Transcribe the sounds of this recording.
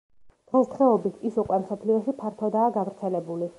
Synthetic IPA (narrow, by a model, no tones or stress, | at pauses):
d̪̥ʁɛst̪ʰχɛɔbit̪ʰisuqʼwɛmsɔpʰliɔʃipʰaɾt̪ʰɔd̪aːɡavɾt̪sʰɛlɛbuli